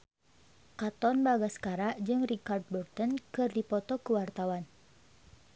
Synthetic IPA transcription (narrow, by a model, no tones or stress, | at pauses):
kat̪ɔnbaɡaskaɾaʔd͡ʒɨŋrikard̪̚bɔrt̪ɔnkɨrdipɔt̪ɔkuwart̪awan